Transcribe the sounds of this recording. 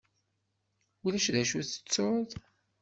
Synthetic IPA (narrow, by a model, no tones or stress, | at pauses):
ulæʃðæʃuθə̥t͡sːoð